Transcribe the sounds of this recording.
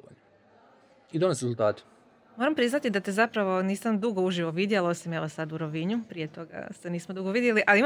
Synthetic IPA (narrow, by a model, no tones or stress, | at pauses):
o̰ | id̪ones̬ɾezulˠt̪aːt̪e̥ | moːɾampɾiznat̪id̪at̪ezapɾaʋo̞niːsamd̪uɡo̞uʒiʋo̞ʋid̪jelao̞sime̞ʋosad̪uɾoʋiɲupɾie̞t̪o̞ɡa̰st̪eniːsmod̪uɡo̞ʋid̪je̞liʔaliim